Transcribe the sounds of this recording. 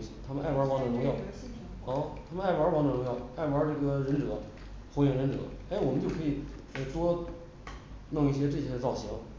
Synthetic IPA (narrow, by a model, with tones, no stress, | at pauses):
i˥˩ɕɛ˧˥t̪ʰa˥mə˧nʔa˥˩ɪwa˞˧˥wɑ˧˥ŋd̪ə˨˩ʊ˧˥ŋjɑ˥˩ʊ | ɔ˥˩t̪ʰa˥mə˧na˥˩ɪwa˧˥wɑ˧˥ŋd̪ə˨˩ɻʊ˧˥ŋjɑ˥˩ʊa˥˩ɪwa˧˥ʈ͡ʂɤ˥˩ɡə˩ɻə˧˥nʈ͡ʂɤ˨˩˦ | xjɛ˧˥ŋɻə˧˥nʈ͡ʂɤ̰˨˩˦ɪ˥˩wɔ˨˩mə˦nt͡ɕjo˥˩kʰɤ˧˥i˨˩˦ʈ͡ʂwɔ˥ | nʊ˥˧ŋi˥˩ɕ̬jɛ˥ʈ͡ʂɤ˥˩ɕjɛ˥ə˧t͡sɑ˥˩ʊɕi˧˥ŋ